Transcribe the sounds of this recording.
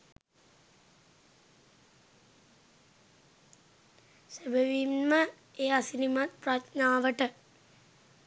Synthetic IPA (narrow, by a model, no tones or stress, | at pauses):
sebəʋimːə | eːasinimat̪̚pratnaːʋəʈə